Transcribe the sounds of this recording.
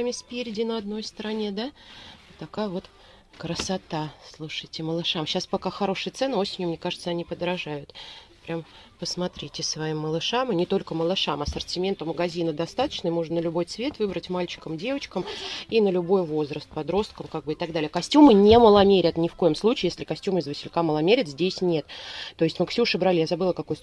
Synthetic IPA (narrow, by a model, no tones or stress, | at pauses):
amʲɪsʲpʲeɾʲɪdʲɪnəɐd̪no̞jst̪əɾɐnʲe̞d̪at̪ːɐkajəvo̞t̪ | kɾəsat̪aslˠuʂɨjtʲɪməlˠɨʂamɕːaspɐkaxɐɾo̞ʂɨjət̪sɛnɨo̞sʲɪnʲjʊmnʲe̞kaʐɨt̪səɐnʲipəd̪ɾɐʐajʊt̪pɾʲampəsmɐt̪ɾʲitʲɪsvɐimːəlˠɨʂamɨnʲɪt̪o̞lʲkəməlˠɨʂamɐsərtʲɪmʲent̪ʊməɡɐzʲinəd̪ɐst̪at̪ə̥t͡ɕnəjmo̞ʐnənəlʲʊbo̞jt̪svʲe̞t̪vɨbɾətʲmalʲt͡ɕɪ̥kəmdʲe̞vət͡ɕkəminəlʲʊbo̞jvo̞zɾəst̪̚pɐd̪ɾo̞st̪̚kəmkaɡ̚bɨɪt̪ɐɡ̚d̪alʲɪjəkɐsʲtʲumɨnʲeməlˠɐmʲeɾʲət̪nʲɪfko̞jɪmslˠut͡ɕɪːjesʲlʲɪkɐsʲtʲumɨzvəsʲɪlʲkaməlˠɐmʲeɾʲɪt̪zʲdʲesʲnʲe̞t̪t̪ːo̞ɪsʲtʲmɨksʲuʂɨbɾalʲijazɐbɨlˠəkɐko̞j